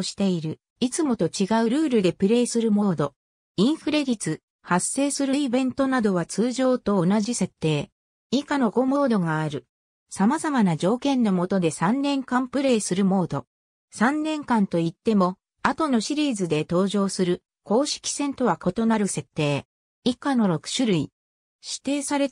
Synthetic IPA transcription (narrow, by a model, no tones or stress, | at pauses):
ɕi̥t̪e̞iɾɯ̟ | it͡sɨmo̞t̪o̞t͡ɕiɡaɯ̟ɾɯ̟ːɾɯ̟d̪e̞pɯ̟ɾe̞ːsɨɾɯ̟mo̞ːd̪o̞ | ĩɰ̃ɸɯ̟ɾe̞ɾʲit͡sɨ | hasːe̞ːsɨɾɯ̟ibẽ̞nt̪o̞nad̪o̞βat͡sɨːʑo̞ːt̪o̞ːnaʑise̞t̪ːe̞ː | ikano̞ɡo̞mo̞ːd̪o̞ɡaːɾɯ̟ | samazamanad͡ʑo̞ːkẽ̞nːo̞mo̞t̪o̞d̪e̞sãnːẽ̞ŋkãmpɯ̟ɾe̞ːsɨɾɯ̟mo̞ːd̪o̞ | sãnːẽ̞ŋkãnt̪o̞it̪ːe̞mo̞ | at̪o̞no̞ɕiɾʲiːzɨd̪e̞t̪o̞ːʑo̞ːsɨɾɯ̟ | ko̞ːɕi̥kʲi̥sẽ̞nt̪o̞βako̞t̪o̞naɾɯ̟se̞t̪ːe̞ː | ikano̞ɾo̞kɯ̟̥ɕɨɾɯ̟i | ɕi̥t̪e̞ːsaɾe